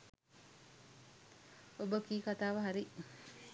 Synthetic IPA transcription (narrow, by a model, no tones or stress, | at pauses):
obəkiːkat̪aːʋəɦaɾi